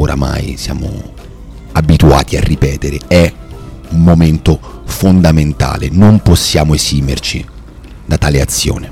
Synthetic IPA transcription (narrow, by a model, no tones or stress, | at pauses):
oɾʔa̰ma̰jsja̰ːmo̰ | abit̪ua̰ːt̪ia̰rːipɛːt̪eɾeɛ | umːoment̪ofond̪ament̪a̰ːlḛnomposːjaːmoesiːmert͡ʃi | d̪at̪aːleat̪sːjo̰ːne